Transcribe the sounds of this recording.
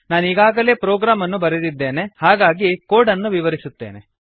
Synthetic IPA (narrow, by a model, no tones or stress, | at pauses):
naːniːɡaːɡɐle̞ːpɾoːɡɾaːmɐnːubɐɾed̪id̪ːe̞ːne̞haːɡaːɡikoːɖɐnːuʋiʋɐɾisut̪ːeːne̞̰